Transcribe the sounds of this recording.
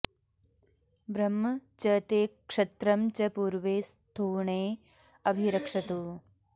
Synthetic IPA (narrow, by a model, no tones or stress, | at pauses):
bɾɐmːɐt͡ʃɐt̪eːkʂɐt̪ɾɐmt͡ʃɐpuːɾʋeːst̪ʰuːɳeː | ɐbʱiɾɐkʂɐt̪uː